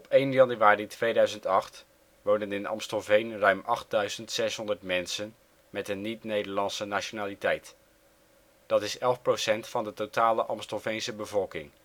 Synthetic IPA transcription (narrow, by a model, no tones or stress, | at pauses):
ɔpejnjɑnyaːritʋejdœɥzəntɑχt | ʋondənɪnɑ̰mstəlvejnrœɥmʔɑχt̚dœɥzəntsɛsɦɔndəɹtmɛnsən | mɛtənːitnejdəɹlɑnsənaʃonaːlitɛjt | d̥ɑtɪsɛlˠfprosɛntfɑndətotaːləʔɑmstəlvejnsəbəvɔlˠkɪŋ